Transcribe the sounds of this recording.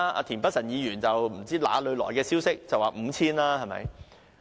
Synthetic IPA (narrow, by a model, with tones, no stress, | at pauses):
a̰ː˧t̪ʰiː˨˩npɐ˥t̚sɐ˨˩njiː˨˧jyː˨˩nt͡sɐ˨wm̩˨˩t͡siː˥la̰ː˨˥lɵ˨˧ɥlɔ̰ː˨˩jkɛː˧siː˥wsɪ˥k̚t͡sɐ˨waː˨˩m̩ː˨˧t͡sʰiː˥nlaː˥hɐ˨jmɐ̰˧˥j